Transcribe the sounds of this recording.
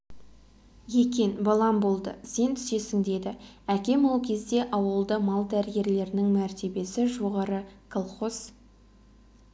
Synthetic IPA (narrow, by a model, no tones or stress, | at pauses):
je̞kʲe̞nbɑlˠɑmbo̞lˠd̪ə̰se̞nt̪ʰʏ̥se̞sɪŋd̪e̞d̪ɪækʲe̞mwolˠkʲʰe̞zd̪e̞ʔɑwəlˠd̪əmɑlˠd̪æɾɪɡʲe̞ɾle̞ɾɪnɪŋmæɾt̪e̞be̞sɪʒo̞ʁɑɾəkʰolˠχos